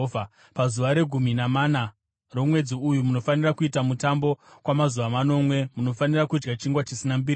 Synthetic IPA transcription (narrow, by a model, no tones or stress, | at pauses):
a | pazuʋaɾe̞ɡʱuminamana | ro̞mwe̞d͡ziujumuno̞fanirakuitamutambo̞kwamazuʋamano̞mwe̞muno̞fanirakud͡ʒɡat͡ʃiŋɡwat͡ʃisinambir